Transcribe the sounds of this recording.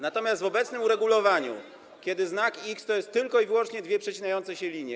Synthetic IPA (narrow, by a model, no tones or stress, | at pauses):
nat̪ɔmʲjast̪vɔbɛt̪snɘmuɾɛɡulɔvaɲṵ | kʲɛd̪ɘznakikst̪ɔjɛst̪ːɘlkɔiviwɔnt͡ʂɲɛd̪vʲjɛpʂɛt͡ɕinajɔnt̪sɛɕɛlʲiɲjɛ